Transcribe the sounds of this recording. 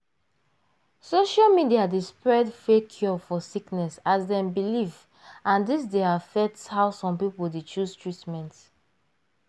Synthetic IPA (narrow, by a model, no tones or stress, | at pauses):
soʃalmidiadespɹɛdfekʰjɔfɔsiknɛsazdɛ̃mbiliv | ʔãndisdeafɛtshaʊsɔ̃mpipuldet͡ʃustʰɹitmɛ̃nt